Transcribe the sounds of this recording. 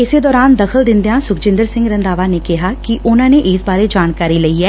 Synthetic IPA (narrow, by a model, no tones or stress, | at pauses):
ɪseːd̪ɔːɾaːnd̪əkʰəld̪ɪ̃nd̪eãːsʊkʰd͡ʒɪ̃nd̪əɾsɪ̃ŋɡɾənd̪aːʋaːneːkɪɦaːkiʔʊnãːneːʔɪsbaːɾeːd͡ʒaːnkaːɾiːləiːɛː